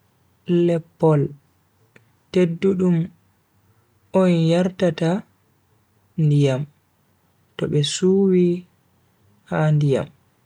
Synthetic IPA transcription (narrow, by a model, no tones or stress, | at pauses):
lɛpːɔl | tedːuɗum | ɔnjaɾtata | ndijam | tɔɓɛsuːwi | handija̰m